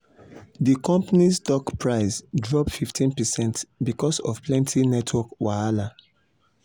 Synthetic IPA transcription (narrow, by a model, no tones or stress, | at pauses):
dikɔ̃mpanisdɔkpɹaɪsdɹɔpfiftʰĩnpɛsɛ̃ntbikɔsɔ̰fplɛ̃ntʰinɛtʰwɔkwaala